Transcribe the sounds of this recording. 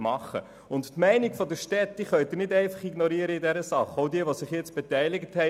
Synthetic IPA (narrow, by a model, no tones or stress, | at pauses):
mɑχə̰ | ʊnttmɛɪnɪkfɔdəʃtɛtːiχœʏt̪ɪnɪtdɛɪfɑχiɡnɔɾiəɾəɪdɛɾəsɑχoʊdiəʋosɪχjɛt͡stb̥ɛtɛɪlɪɡəthɛ